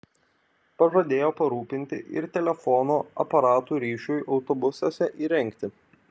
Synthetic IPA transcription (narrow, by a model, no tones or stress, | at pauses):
pɐpɾɐd̪ʲeːjoːpɐɾuːpʲɪnʲt̪ʲɪ̰ʔɪ̰ɾt̪ʲɛlʲɛfɔnoːɐ̰pɐɾɑːt̪uːɾʲiːʃʲujʔɒʊt̪ɔbʊsɐsʲɛʔiːɾʲɛŋʲkt̪ʲɪ